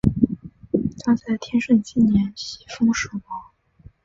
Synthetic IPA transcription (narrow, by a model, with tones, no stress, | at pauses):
t̪a˥t͡sa˥˩ɪt̪ʰjɛ˥nʂə˥˩nt͡ɕi˥˩njɛ˧˥nt͡ɕʰi˨˥˩fɤ˥ŋʂɤ˨˩kɑ˥